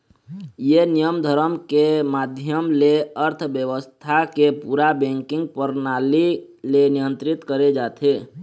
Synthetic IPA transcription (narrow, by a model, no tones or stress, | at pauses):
jenijəmd̪ʱəɾəmkemad̪ʱjəmleəɾt̪ʰbjəʋəst̪ʰakepuɾabẽŋkɪ̃ŋɡ̚pəɾnali | lenijənt̪ɾit̪kəɾed͡ʒat̪ʰe